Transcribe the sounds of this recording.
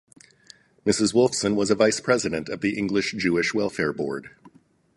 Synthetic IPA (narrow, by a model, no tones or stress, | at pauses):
mɪsɨzwʊlˠfsə̃nwʌzəvaɪspʰɹ̥ɛzɨɾɨ̃ntʌvðiʔɪ̃ŋɡlɨʃd̥ʒ̥ʉɨʃwɛlˠfɛɹbɔ̰ɹd̥